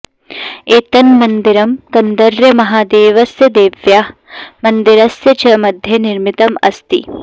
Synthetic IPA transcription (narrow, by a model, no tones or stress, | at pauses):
eːt̪ɐnmɐnd̪iɾɐmkɐnd̪ɐɾjɐmɐɦaːd̪eːʋɐsjɐd̪eːʋjamɐnd̪iɾɐsjɐt͡ʃɐmɐd̪ʱjɐniɾmit̪ɐmɐst̪ḭ